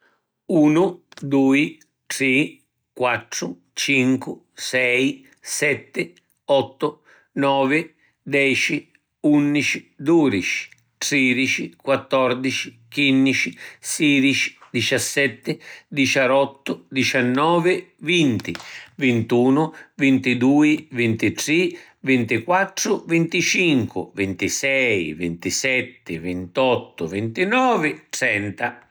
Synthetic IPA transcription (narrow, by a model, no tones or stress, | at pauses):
uːnʊd̪uːi | ʈɾi | kwat̪ːɾʊ | t͡ʃiŋkʊ | sɛj | sɛt̪ːɪ | ɔt̪ːʊ | nɔːvɪ | d̪ɛːt͡ʃi | unːit͡ʃid̪uːd̪it͡ʃi̥ | ʈ̪ɾiːd̪it͡ʃikwat̪ːɔɾd̪it͡ʃi̥ | kinːit͡ʃisiːd̪it͡ʃi̥d̪it͡ʃasːɛt̪ːɪd̪it͡ʃaɾɔt̪ːʊd̪it͡ʃanːɔːvɪvint̪ivint̪uːnʊvint̪id̪uːivint̪it̪ɾi | vint̪ikwat̪ːɾʊvint̪it͡ʃiŋkʊ̰vint̪isɛjvint̪isɛt̪ːɪvint̪ɔt̪ːʊvint̪inɔːvɪt̪ɾɛnt̪a